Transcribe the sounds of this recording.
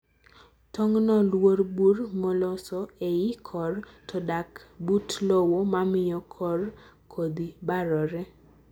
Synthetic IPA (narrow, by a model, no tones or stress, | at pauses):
tɔŋnɔlworburmɔlɔsɔɛɪkʰɔrtʰɔdakbutlowomamɪjɔkʰɔrkʰod̪ibaɾɔɾɛ